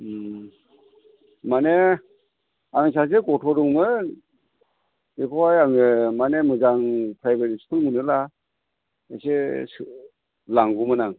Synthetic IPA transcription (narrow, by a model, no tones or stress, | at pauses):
mane | aŋs̬as̬eɡɔtʰɔɾuŋmɯ | ikʰɔjaŋɯmanemɯzaŋpʰɾajbeɾistʰɯŋmɯnɯla | ḛses | laŋɡumɯnaŋ